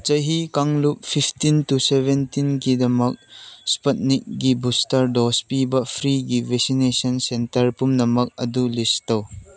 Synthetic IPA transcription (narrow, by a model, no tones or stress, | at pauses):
t͡ʃɐjɦikaŋlup̚fʰipʰtintusebentinkidɐmɐk̚spɐt̚nik̚ɡibustɐɾdɔspibɐpʰɾiɡiveksinesɐnsentɐɾpumnɐmɐk̚ɐd̪ulistɐw